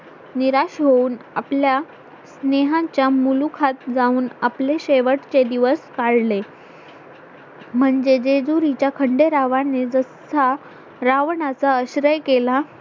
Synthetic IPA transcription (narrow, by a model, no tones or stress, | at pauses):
niɾaɕɦouːnaplja | sneɦãt͡ɕjamulukʰat̪̚d͡zauːnapleɕeʋəʈt͡ɕed̪iʋəskaɽle | m̤əɳd͡ʑed͡zed͡zuɾit͡ɕjakʰəɳɖeɾaʋaned͡zəsa | ɾaʋɳat͡saəɕɾəjkela